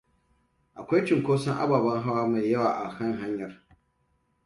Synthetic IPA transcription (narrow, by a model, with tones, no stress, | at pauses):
ʔa˨kʷa˦jt͡ʃɪ˨ŋkʷoː˦sɐ˦ŋʔa̰˦baː˨bɐ˦ŋɦa˦waː˦ma˨jjɐ˦waː˨ʔa˨hɐ˦ŋɦa˦ɲjɐ˨r